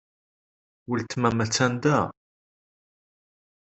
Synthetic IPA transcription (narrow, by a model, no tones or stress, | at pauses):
wəlt̪mæmæt͡sːænd̪æ